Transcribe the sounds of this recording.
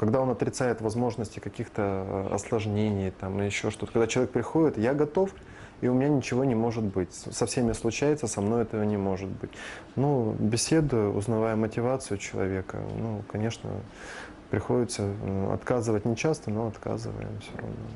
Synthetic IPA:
kɐɡd̪ao̞nɐt̪ɾʲɪt̪sajɪt̪vɐzmo̞ʐnəsʲtʲɪkɐkʲixt̪ə̰ɐ̰slˠɐʐnʲenʲɪjt̪amjɪɕːo̞ʂt̪ot̪əkɐɡd̪at͡ɕɪlˠɐek̚pɾʲɪxo̞dʲɪt̪jaɡɐt̪o̞f | iʊmʲɪnʲanʲɪt͡ɕɪvo̞nʲɪmo̞ʐɨt̪bɨtʲsɐfsʲemʲɪslˠʊt͡ɕæjɪt̪səsɐmno̞jɛt̪əvənʲɪmo̞ʐɨt̪̚bɨtʲnubʲɪsʲe̞d̪ʊjʊʊ̰znɐvajəmətʲɪvat̪sɨjʊt͡ɕɪlˠɐ̰vʲekə̰nukɐnʲe̞ʂnə̰ | pɾʲɪxo̞dʲɪt̪səɐ̰t̪kazɨvətʲnʲɪt͡ɕast̪əno̞ɐt̪ka̰zɨ̰və̰jɪ̰mfsʲoɾɐ̰no

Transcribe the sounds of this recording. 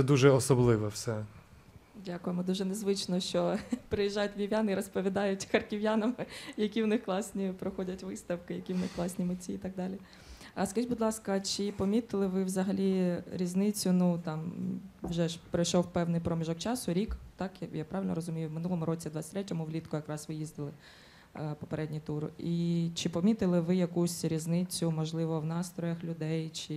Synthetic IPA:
ɛd̪uʒɛɔsɔblˠɪʋɛwsɛ | dʲakʊjɪmɔd̪uʒɛnezʋɪt͡ʃnɔʃt͡ʃɔpɾɪjiʒːɑjʊtʲʋʲiʋʲjanɪiɾɔspɔʋʲid̪ɑjʊtʲxɐrkʲiʋjanɐmɪjɐkʲiwnɪxklˠɑsʲnʲipɾɔxɔdʲɐtʲʋɪst̪ɐwkɪjɐkʲiwnɪxklˠɑsʲnʲimʊtʲiːt̪ɑɡ̚d̪ɑlʲi | ɐskɐʒibʊd̪lˠɑskɐt͡ʃɪpɔmʲit̪ɪlˠɪʋɪʋzɐɦɐlʲiɾʲiznɪt͡sʲʊnut̪ɑmʋʒɛpɾɪjʃɔwpɛwnɪjpɾɔmʲiʒɔkt͡ʃɑsʊɾʲikt̪ɑkjjapɾɑʋɪlʲnɔɾɔzʊmʲijʊwmɪnulˠɔmʊɾɔt͡sʲid̪ʋɑt͡s̪sʲt̪ʲɾɛtʲɐmʊwlʲit̪kɔjɐkɾɑsʋɪjizʲd̪ɪlˠɪ | pɔ̥peɾɛdʲnʲit̪urit͡ʃɪpɔmʲit̪ɪlˠɪʋɪjɐkusʲɾʲiznɪt͡sʲʊmɔʒlˠɪʋɔwnɑst̪ɾɔjɐxlʲʊd̪ɛjt͡ʃɪ

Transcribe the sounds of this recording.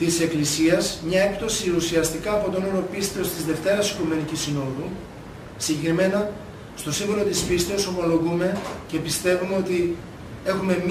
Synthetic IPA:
t̪ise̞klisiɐzmɲɐe̞k̚t̪o̞siusiɐst̪ikɐːpo̞t̪o̞no̞ɾo̞pist̪e̞o̞st̪izðe̞ft̪e̞ɾɐsi̥kume̞nicisino̞ðu | siɲɟe̞kɾime̞nɐ | st̪o̞siɣuɾo̞t̪ispist̪eo̞so̞mo̞lo̞ɣume̞ce̞pist̪e̞vume̞o̞t̪i | e̞xume̞m

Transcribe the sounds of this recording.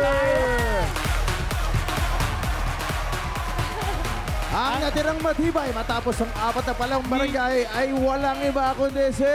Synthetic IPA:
ʔɐŋnɐt̪ɪɾaŋmɐd̪ibɐjmɐt̪aːposɐŋʔaːpɐt̪ɐpɐlaŋbɐɾɐŋɡaɪʔɐjwɐlaŋɪbaɐkod̪ɛsɛ

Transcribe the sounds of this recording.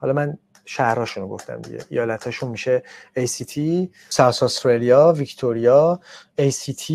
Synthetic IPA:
hɒ̰lɒmæn | ʃæhɾɒːʃunoɡo̞̰ft̪æ̰md̪ḭɟḛʔijɒːlæt̪ʰɒːʃunmiʃeejsit̪ʰi | sæwsɔst̪ɾelijɒːvict̪ʰoɾijɒejsit̪ʰi

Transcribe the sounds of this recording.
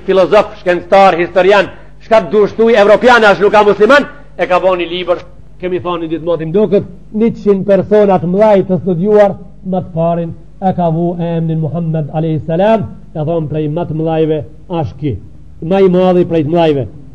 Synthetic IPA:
filɔzɔfʃkɛnt͡st̪aɾhist̪ɔɾjan | ʃkat̪̚d̪uəʃt̪ujɛvɾɔpjanaʃnukamusliman | ɛkavɔnilibəɾ | kɛmiθɔnid̪it̪mat̪imd̪ɔkət̪̚ | nit͡ʃinpɛɾsɔnat̪əmlˠajt̪əst̪ud̪juaɾ | mat̪əpaɾin | ɛkavuɛɛmninmuɦamːɛd̪alɛhisːalamkaθɔnpɾɛjmat̪əmlˠajvɛ | aʃki | maimaðipɾɛjt̪əmlˠajvɛ

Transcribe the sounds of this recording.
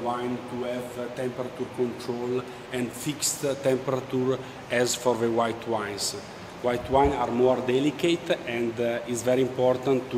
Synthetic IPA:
wãjnt̪uɛvt̪ɛ̃mpɛɾat̪uɾkõnt̪ɾol | ɛ̃nd̪fikst̪t̪ɛ̃mpɛɾat̪uɾ | ɛzfɔɾðəwajt̪ʰwãj̃ns | wajt̪wãjnaɾmɔɾd̪ɛliket̪ɛ̃nd̪itsvɛɾiĩmpɔɾt̪ãn

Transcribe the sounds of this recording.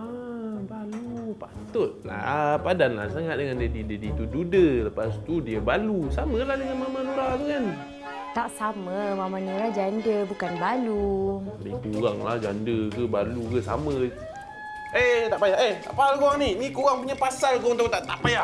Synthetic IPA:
abalupat̪ʊt̪̚la̰padanla̰hsaŋat̪̚dəŋandiədidədit̪ududələpast̪udiəbalusaməlahdəŋanmamãnuɾaʔbəkan | t̪aʔsaməmamãɲəlahd͡ʒandəbukanbalubikuɣaŋlahd͡ʒandəkəbalukəsa̰mə | et̪aʔpajaʔeht̪a̰ʔpalkuɣaŋninikuɣaŋpuɲapasalkuɣaŋt̪ot̪aʔt̪aʔpajaʔ

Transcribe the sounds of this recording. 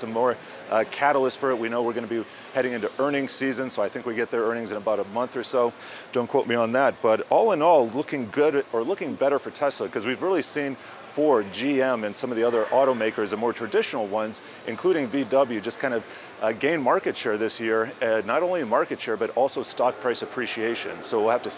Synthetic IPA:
sʌmɔɹ | kʰæɾl̩ˠəsfə˞ɨt̚winoʊwəɹɡʌnɨbi | hɛɾɪ̃ŋɪ̃ntʉʔɜ˞nɪ̃ŋsizɨ̃nsoʊaɪθɪ̃ŋkwiɡɛt̪̚ðə˞ɜ̃˞nɪ̃ŋzɨ̃nəbaʊɾəmʌ̃nθə˞soʊ | d̥õʊ̃nkʰw̥oʊt̚miə̃nðæt̚b̥ʌɾɔlˠə̃nɔlˠlʊkɪ̃ŋɡʊɾə˞lʊkɪ̃ŋbɛɾə˞fə˞tʰɛsləkʰʌzwivɹɪlˠisĩn | fɔɹd͡ʒiɛ̃mɨ̃nsʌ̃mʌvðiʌðə˞ʔɔɾoʊmeɪkə˞zəmɔɹtʰɹ̥ɨdɪʃnl̩ˠwʌ̃nz | ʔɨ̰̃nkʰl̥ʉɾɪ̃ŋbidʌblˠjʉd͡ʒʌskʰãɪ̃ndʌv̥ | ɡẽɪ̃nmɑɹkɨtʃɛɹðɪsjɪɹnəɾõʊ̃limɑɹkɨtʃɛɹbʌɾɔlˠsoʊstɑk̚pʰɹ̥aɪsɨpʰɹ̥iʃieɪʃɨ̰̃nsoʊwɪlˠhæftɨ

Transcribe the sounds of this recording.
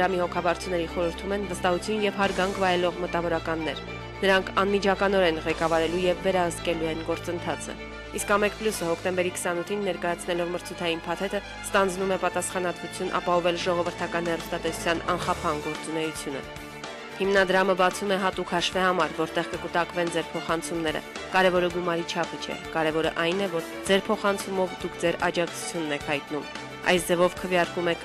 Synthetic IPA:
ɾɑmihɔkʰɑvɑɾt͡sʰunɛɾiχɔɾəɾt̪ʰumɛnvəst̪ɑhut͡sʰjunjɛvɦɑɾɡɑŋkʰvɑjɛlɔʁmət̪ɑvɔɾɑkɑnːɛ̰ɾ | nəɾɑŋkʰɑnmit͡ʃʰɑkɑnɔɾɛnʁɛkɑvɑɾɛlujɛvːɛɾɑhəst̪̚kɛluɛnɡɔɾt͡sən̪t̪ʰɑt͡sʰə̰ | iskɑmɛkpʰlusəhɔkʰt̪ɛmbɛɾikʰə̥sɑnut̪ʰinːɛɾkɑjɑt͡sʰnɛlɔvməɾt͡sʰut̪ʰɑjinpʰɑt̪ʰɛt̪ə | st̪ɑnd͡znumɛpɑt̪ɑsχɑnɑt̪vut͡sʰjunʔɑ̰pɑhɔvɛlʒɔʁɔvəɾt̪ʰɑkɑnhɛɾust̪ɑt̪ɛsu̥t͡sʰjɑnɑ̰nχɑpʰɑnɡɔɾt͡sunɛjut͡sʰjunə̰ | himnɑd̪ɾɑməbɑt͡sʰumɛɦɑt̪ukʰhɑʃvɛhɑmɑɾvɔɾt̪ɛʁkəkut̪ɑkvɛnd͡zɛɾpʰɔχɑnt͡sʰumnɛɾə̰ | kɑɾɛvɔɾəɡumɑɾit͡ʃʰɑpʰət͡ʃʰɛ̰kɑɾɛvɔɾə̰ʔɑjnɛvɔɾ | d͡zɛɾpʰɔχɑnt͡sʰumɔvd̪ukʰd͡zɛɾɑd͡ʒɑk̚ʰt͡sʰu̥t͡sʰjunːɛkʰhɑjt̪num | ɑ̰jsd͡zɛvɔvkʰəvjɑɾkumɛkʰ

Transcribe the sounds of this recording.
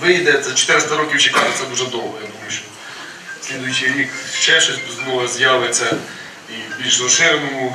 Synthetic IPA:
ʋɪjd̪ɛzɐt͡ʃo̥t̪ɪɾɪst̪ɐɾɔkʲiwt͡ʃikɑʒɛt̪sɛd̪uʒɛd̪ɔwɦɐjad̪umɐjjʊʃt͡ʃɔ | sʲlʲid̪ʊjʊt͡ʃijɾʲikt͡ʃɛʃɛsʲt̪ɔzmɔʋɐzʲjaʋɪsʲɐ | ibʲilʲʒzɔʃɪɾmɔmʊ

